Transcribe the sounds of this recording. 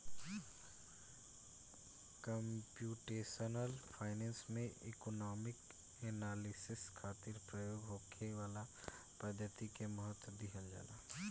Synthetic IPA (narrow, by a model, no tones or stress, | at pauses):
kəmpjuːʈeːsənəlfʰaːɪnɛ̃ːnsmẽɪkonɔːmɪk | eːnaːlɪsɪskʰaːt̪iɾpɾəjoːɡɦoːkʰeʋaːla | pəd̪ʱːət̪ikemɔɦət̪wd̪iɦəld͡ʒa̰ːlaː